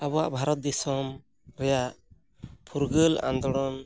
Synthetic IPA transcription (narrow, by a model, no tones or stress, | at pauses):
abɔa̰ʔbʱaɾɔt̪̚d̪ɛsɔm | ɾɛjaʔ | pʰuɾɡəla̰nd̪ɔɽɔn